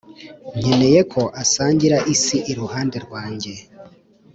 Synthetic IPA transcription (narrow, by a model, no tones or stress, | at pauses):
ɲ̥e̞ne̞je̞kʰo̞ʔasaːɲɟiɾaʔisiʔiɾuhaːndeɾɡwaːɲɟe̞